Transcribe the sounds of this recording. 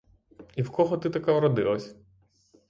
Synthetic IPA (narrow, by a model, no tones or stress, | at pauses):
iwkɔɦɔt̪ɪt̪ɐkawɾɔd̪ɪ̰lˠɐsʲɐ̥